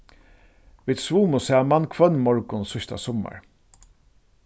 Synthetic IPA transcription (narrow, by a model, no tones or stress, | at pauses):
viːd̪svuːmʊsɛːmankʰvœnːmɔɹkʊnsʊʃt̪a̰sɔːma̰ɹ